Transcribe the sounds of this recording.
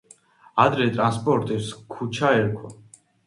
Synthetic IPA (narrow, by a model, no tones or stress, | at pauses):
ad̪ɾɛt̪ʼɾanspʼɔɾt̪ʼiskʰut͡ʃʰaɛɾkʰwa